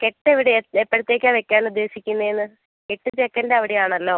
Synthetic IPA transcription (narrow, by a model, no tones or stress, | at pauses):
keʈːeʋiɽeepːɐɽut̪ːe̞ːkʲːaːʋekʲːaːnud̪ːe̞ːsikʲːunːɐjenːɨ | keʈːɨt͡ɕekːɐndeɐʋiɽejaːɳɐlːo̞ː